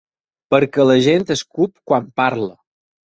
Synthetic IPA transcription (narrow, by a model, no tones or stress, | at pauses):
pəɾkələʒent̪əskupkwampaɾlə